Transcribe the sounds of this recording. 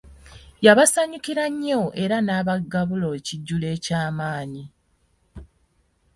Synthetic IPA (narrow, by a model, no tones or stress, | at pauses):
jaβasaɲukiɾaɲːoʔe̞ɾanaːβaɡaβulo̞ciɟːule̞ːcaːmaːɲi